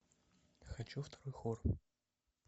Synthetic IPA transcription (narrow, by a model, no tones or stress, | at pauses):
xɐt͡ɕuft̪ɐɾɔjxor